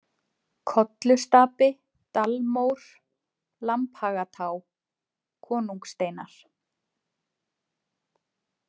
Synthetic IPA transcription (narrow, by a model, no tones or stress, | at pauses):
kʰɔt̪lʏst̪aːpɪ | t̪almowɾ̥ | lamphaːɣat̪ʰaːw | kʰɔːnuŋkst̪eːjnaɾ̥